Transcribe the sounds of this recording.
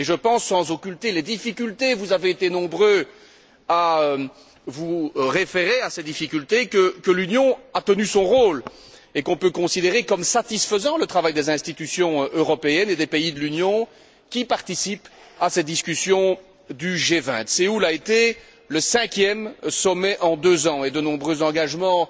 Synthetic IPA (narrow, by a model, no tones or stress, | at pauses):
eʒəpɑ̃sːɑ̃zokʲylt̪eled̪ifikʲylt̪evuzaveet̪enɔ̃bʁø | aø | vuʁefeʁeasɛd̪ifikʲylt̪ekəkəlynjɔ̃at̪ənysɔ̃ʁoːl | ekɔ̃pøkɔ̃sid̪eʁekɔmsat̪isfəzɑ̃lət̪χavajd̪ezɛ̃st̪it̪ysjɔ̃ʔøʁɔpeɛned̪epeid̪əlynjɔ̃ | kʲipaʁt̪isip | asɛt̪̚d̪iskʲysjɔ̃ | d̪yʒevɛ̰̃t̪seulaet̪e | ləsɛ̃kʲjɛmsɔmɛʔɑ̃d̪øzɑ̃ed̪ənɔ̃bʁøzɑ̃ɡaʒmɑ̃